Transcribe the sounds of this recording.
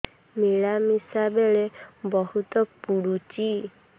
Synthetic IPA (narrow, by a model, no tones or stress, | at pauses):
miɭamisabeɭebɔɦut̪ɔpuɽut͡ʃi